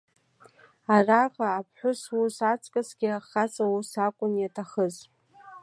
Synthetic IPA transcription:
araʁaːpʰħʷᶣʊsusat͡sʰʼkʼasɡʲɪaχat͡sʼawusakʷʼʊnjatʰaχəz

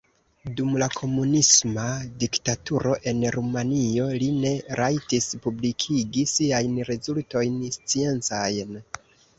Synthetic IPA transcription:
dumlakʰo̞munismadiktatuɾo̞ʔe̞nɾumanio̞line̞ɾʔajtispublikʰiɡisiajnɾe̞zulto̞jnst͡sie̞nt͡sajn

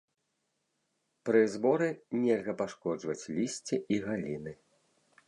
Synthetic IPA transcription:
pɾɨzbɔɾɨnʲɛlʲɣɐpaʂkɔd͡ʐvɐt͡sʲlʲisʲt͡sʲiʔiɣalʲinɨ

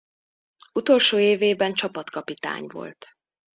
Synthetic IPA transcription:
ut̪o̞lʃoːeːveːbɛnt͡ʃɒpɒt̪kɒpit̪a̰ːɲvo̞̰lt̪

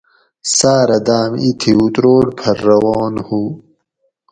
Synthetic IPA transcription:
saːɾɐd̪aːmit̪ʰiut̪ɾoːɖpʰɐɾːɐwɑːnhu

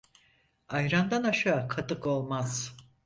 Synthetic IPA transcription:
ajɾand̪anaʃaːkʰat̪ɯko̞lˠmaz̥

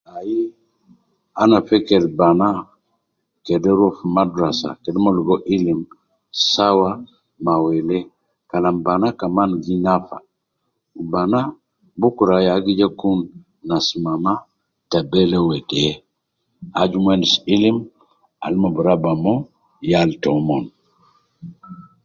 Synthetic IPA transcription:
aji | anafɛkeɾbana | kedɛɾofmadɾasa̰kedɛmoluɡoʔilim | sawa | mawɛlɛ | kalambanakamanɡinafa̰ | bana | bukuɾajaɡid͡ʒakunː | asmama | tabɛlɛwɛdɛ | ad͡ʒumwɛnisilim | a̰lmobuɾabamɔ | jaltɔmɔn

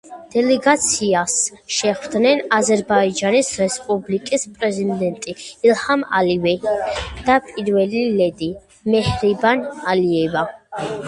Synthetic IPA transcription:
d̪̥ɛlɛɡat̪sʰiasʃɛχvd̪nɛnazɛɾbaid͡ʒanisɾɛspʼublikʼispʼɾɛzid̪ɛnt̪ʼiːlhama̰livɛd̪̥apʼiɾvɛlilɛd̪i | mɛhɾibanaliɛva

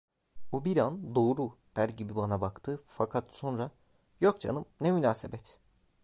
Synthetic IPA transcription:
bubiɾand̪o̞ːɾud̪̥æɾɟibibanabakt̪ʰɯːfakʰat̪so̞nɾa | jok̚t͡ʃʰa̰nɯmnɛmynaːsḛbɛt̪

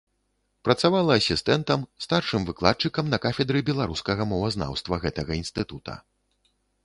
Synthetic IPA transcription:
pɾɐt̪savalˠɐːsʲist̪ɛnt̪ɐmst̪arʂɨmvɨklˠat̪̚t͡ʂɨkɐmnɐkafʲɛd̪ɾɨbʲɛlˠaɾuskɐɣɐmɔvɐzna̰wst̪vɐɣɛt̪ɐɣɐinst̪ɨt̪ut̪ʰɐ̰

